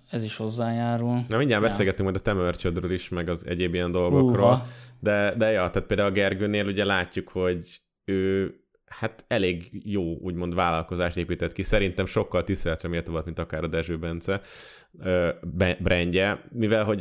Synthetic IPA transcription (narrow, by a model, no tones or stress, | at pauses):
ɛziʃho̞zːaːjaːɾulnɒmiɲːaːmbɛseːlɡɛt̪ːyŋkmɒjd̪ɒt̪ɛmørt͡ʃød̪røːliʃmɛɡɒzɛ̰ɟeːbijɛnd̪olɡokroːld̪ɛd̪ɛjɒt̪aːt̪̚peːld̪aulɒɡɛrɡøːneːluɟɛlaːcːukho̞ɟ | øː | hat̪ɛleːɡjoːuːɟmo̞nd̪vaːlɒlko̞zaːʃt̪eːpiːt̪ɛt̪kisɛɾint̪ɛmʃo̞kːɒlt̪ist̪eːlɛt̪rɛmeːt̪ovɒlt̪mint̪ɒkaːɾɒd̪ɛʒøːbɛnt̪sɛ | øːbɛbrʔɛɲɟɛmivɛlɦo̞ɟ